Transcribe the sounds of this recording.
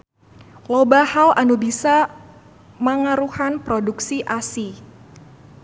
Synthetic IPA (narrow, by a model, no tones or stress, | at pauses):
lobahalʔanubisa | məŋaɾuhanpɾoduksiʔasi